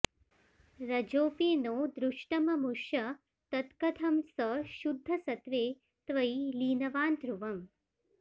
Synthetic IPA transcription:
ɾɐd͡ʒoːpeːnoːd̪ɾuʂʈɐmɐmuʃɐ | t̪ɐt̪kɐt̪ʰɐmsɐʃud̪ʱːɐsɐt̪ʋeː | t̪ʋɐjliːnɐʋaːnt̪ɾuʋɐm

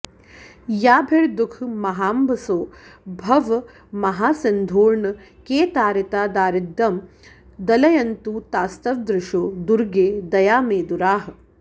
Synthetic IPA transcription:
jaːbʱeɭd̪ukʰmɐɦaːmbʱɐsoːbʱɐʋ | mɐɦaːsɐnd̪ʱuːɾɳɐ | keːt̪aːɾɐt̪aːd̪aːɾɪd̪ːɐm | d̪ɐlɐjɐnt̪uːt̪aːst̪ɐʋd̪ɾɪʂoːd̪uɾɡeːd̪ɐjaːmeːd̪uɾaːɦɐ̆

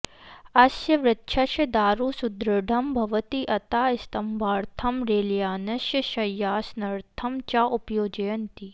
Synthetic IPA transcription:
ɐsjɐʋɾɐt̪ːʃʰɐʃɐd̪aːɾuːsud̪ɾɐɖʱɐmbʱɐʋɐt̪iʔɐt̪aːɪst̪ɐmbʱaːɾt̪ʰɐmɾeːljaːnɐʃjɐʃɐjːaːsnɐɾt̪ʰɐmt͡ʃaːʔʊpjoːd͡ʒɐjɐnt̪i

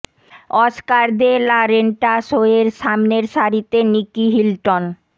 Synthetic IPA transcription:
ɔskaɾd̪elaɾeɳʈaʃoeɾʃamneɾʃaɾit̪enikiɦilʈon

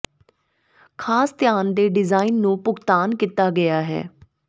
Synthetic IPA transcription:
kʰaːst̪ɪjaːnd̪eːɖɪzaːiːnːũːpʊkt̪aːnkiːt̪aːɡɪaːɦɛ̰ː

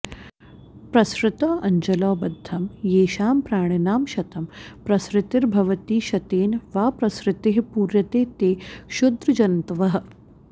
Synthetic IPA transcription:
pɾɐsɾɪt̪ɔːʔɐɲd͡ʒɐlɔːbɐd̪ʱːɐmjeːʃaːmpɾaːɳinaːmʃɐt̪ɐmpɾɐsɾɪt̪iɾbʱɐʋɐt̪iːʃɐt̪eːnʋaːpɾɐsɾɪt̪eɦpuːɾjɐt̪eːt̪eːʃud̪ɾɐd͡ʒɐnnt̪ɐʋɐɦɐ̆

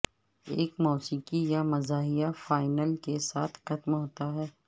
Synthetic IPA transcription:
eːkmɔːsiːkijamɐzaːɦijafaːɪnəlkesaːt̪ʰxɐt̪mɦoːt̪aɦɛː

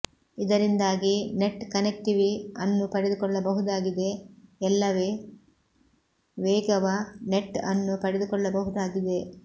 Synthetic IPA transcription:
id̪ɐɾind̪aːɡine̞ʈːkɐnek̚ʈiʋiɐnːupɐɽed̪ukɔɭːɐbɐɦud̪aːɡid̪e̞ɛlːɐʋeː | ʋeːɡɐʋɐneʈːɐnːupɐɽed̪ukɔɭːɐbɐɦud̪aːɡid̪e̞

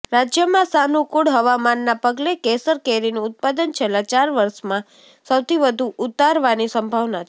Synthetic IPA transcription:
ɾad͡ʒjəmãsanukuɽɦəʋamanːapəɡlekesəɾkeɾinuʊt̪̚pad̪ənt͡ʃʰelat͡ʃaɾʋəɾʃmã | səwt̪iʋəd̪ʱuʔʊt̪aɾʋanisə̃mbʱaʋnat͡ʃʰ

